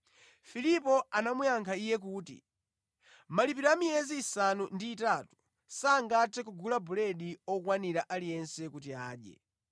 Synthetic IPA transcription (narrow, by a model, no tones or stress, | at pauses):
filipɔanamujaŋkʰaijɛk̬uːtḭ | malip̬iɾamiɛziːsanundiːtatu̥ | saŋɡatʰɛkuɡulabulɛɗiɔkwaniɾaʔalijɛnsɛkut̬iaːɗjɛ̰